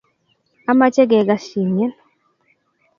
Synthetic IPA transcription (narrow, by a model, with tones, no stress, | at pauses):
a˦ma˦t͡ʃɛ˦ɡɛ˨ɡa˦ʃi˨ɲɛ˦n